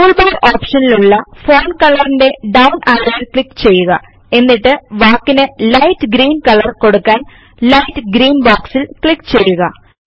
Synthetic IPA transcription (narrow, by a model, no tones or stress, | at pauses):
uːlbaːroːpʂɐniluɭːɐfo̞ːnkɐɭɐrinde̞ɖɐwnʔaɾɐʋilkɭikːt͡ɕe̞jːuɣɐ̰ | e̞nːiʈːɨʋaːkːinɨlɐjtːɨɡɾiːnkɐɭɐrko̞ɽukːaːn | lɐjtːɨɡɾiːnboːksilkɭikːt͡ɕe̞jːuɣɐ